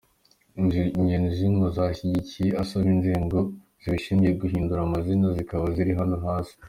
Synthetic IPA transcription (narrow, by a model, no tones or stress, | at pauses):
ʒɲenʒiŋɡozaːçiɟicije̞asaβinziŋɡo̞ | z̥iβiʃiːɲɟijeɡuɦiːnduɾamazinazikaβaziɾiɦano̞ɦaːsi̥